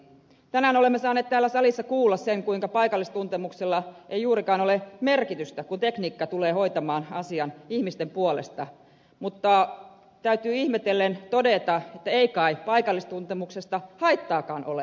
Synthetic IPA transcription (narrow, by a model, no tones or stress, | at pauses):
t̪ænæːnolemːesɑːnːeːt̪t̪æːlːæsɑlisːɑkuːlːɑsseŋkuiŋkɑpɑikɑlːist̪unt̪emukselːɑʔejjuːɾikɑːnolemerkit̪yst̪ækunt̪ekniːkːɑt̪uleːhoit̪ɑmɑːnɑsiɑnihmist̪empuolḛst̪ɑ | mut̪ːɑ | t̪æyt̪yːihmet̪elːent̪odet̪ɑet̪ːæeikɑipɑikɑlːist̪unt̪emuksest̪ɑhɑit̪ːɑːkɑːnʔo̰le